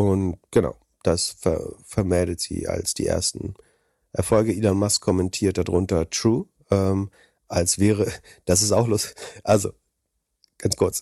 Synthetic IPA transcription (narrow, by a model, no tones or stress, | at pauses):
ʔʊntɡ̥əna̰ʊ | d̥asfɛ̰fɛɐmɛldətz̥ḭːa̰lsd̥ḭːʔḛːɐstn̩ | ʔɛɐfɔlɡəilanmaskʰɔmɛntʰiːɐt̚d̥adʁʊntɐtʁ̥uː | ʔɛːm | ʔalsv̥ɛːʁ̞ə | d̥as̬ɪstaʊxlʊstɪçʔalzo̰ | ɡ̥ant͡skʰʊɐt͡s